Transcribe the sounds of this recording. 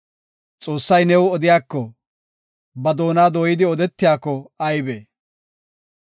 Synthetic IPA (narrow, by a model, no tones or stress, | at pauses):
t͡sʼo̞ːsːɐjnɛwɔd̪ɪjaːkːɔ | bɐd̪o̞ːnaːd̪oːjɪd̪ɪɔd̪ɛt̪ːɪjaːkːɔɐjbeː